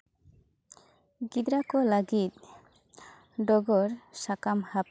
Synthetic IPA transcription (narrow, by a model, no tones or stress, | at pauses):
ɡid̪ɾakɔləɡit̪̚ | ɖɔɡɔɾsakamhap